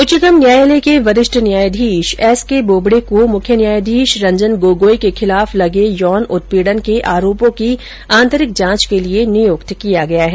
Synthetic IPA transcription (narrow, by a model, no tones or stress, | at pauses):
ʊt͡ʃɪt̪əmnjaːjlekeʋɐɾɪʃʈʰənjaːjd̪ʱiːʃɛːskeboːbɽekomʊkʰjənjaːjd̪ʱiːʃɾɐ̃ɲd͡ʒənɡoːɡoːikexʰɪlaːflɐɡejɔːnʊt̪̚piːɽənkeʔaːɾoːpõki | ãːnt̪əɾɪk̚d͡ʒãːt͡ʃkelienɪjoːkt̪kijaɡɐjaɦɛː